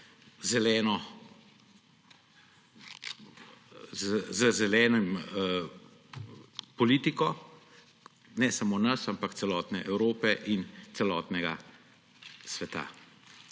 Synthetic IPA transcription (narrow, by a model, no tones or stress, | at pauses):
zɛlɛːnɔ | zzəzɛlɛːnɔm | pɔliːt̪ikɔ | nɛsamoːnɐsampakt̪sɛlɔːt̪nɛʔɛwɾoːpɛʔint̪sɛlɔːt̪nɛɡa̰ | sʋɛt̪a̰